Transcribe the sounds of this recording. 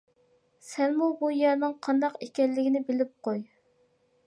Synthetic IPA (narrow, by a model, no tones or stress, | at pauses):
sɛnmubujɛɾnɪŋqʰɑnd̪ɑqekʲɛlːɪɡʲɪnɪbɪlɪp̚qoj